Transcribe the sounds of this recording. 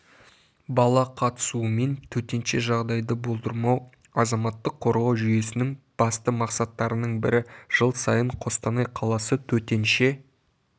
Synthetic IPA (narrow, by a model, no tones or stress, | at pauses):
bɑlˠɑqʰɑt̪ə̥suəme̞nt̪ʰɵt̪e̞nʃe̞ʒɑʁd̪ɑjd̪əbo̞lˠd̪əɾmɑw | ɑzɑmɑt̪ːəqʰːo̞ɾʁoʒʏje̞sɪnɪŋb̥ɑst̪əmɑqsɑt̪ːɑɾənəɴbɪɾɪʒ̥əlˠsɑjəɴqʰo̞st̪ɑnɑjqʰɑlˠɑsət̪ʰɵt̪e̞nʃe̞